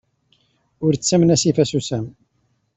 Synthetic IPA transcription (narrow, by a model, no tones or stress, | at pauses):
ʊɾt͡sːæmnæsifæsusæm